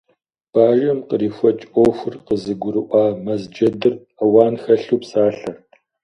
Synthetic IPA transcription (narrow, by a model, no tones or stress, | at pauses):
b̥aːʒɐmqəɾiːfʷɐt͡ʃʼʔoːxʷʊrqəzɨɡʷʊɾɨʔʷɑːmɐzd͡ʒɐdɨr | ɐwaːnxɐɬuːpsaːɬɐr